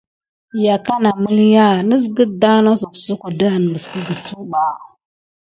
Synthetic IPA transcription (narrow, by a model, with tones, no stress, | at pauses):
ja˨ka˦na˨mə˦lja˦nə˦zɡə˦da˦na˦su˨ksu˦ku˨da˦˨n˨mə˨ski˦ɡə˨su˦ɓa˨